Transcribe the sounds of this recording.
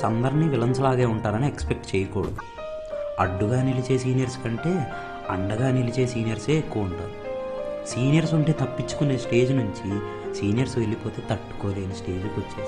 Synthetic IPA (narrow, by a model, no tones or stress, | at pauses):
ɐnd̪ɐɾinːiːʋilɐɲt͡ʃɐlaːɡeːuɳʈaːɾɐniekspek̚ʈt͡ʃeːjɐkɔːɽɐd̪u | ɐɖːuɡaːnilit͡ʃe̞ːs̬iːnijɐɾskɐɳʈe̞ː | ɐɳɖɐɡaːnilit͡ʃe̞ːsiːnijɐɾse̞ːekːuʋɐuɳʈaːɾu | siːnijɐɾsuɳʈeːt̪ɐpːit͡ʃːu̥kune̞ːsʈe̞ːd͡ʒnuɲt͡ʃi | siːnijɐɾsʋe̞lːipo̞ːt̪e̞ːt̪ɐʈːu̥koːd̪eːjnɐsʈe̞ːd͡ʒukut͡ʃːaː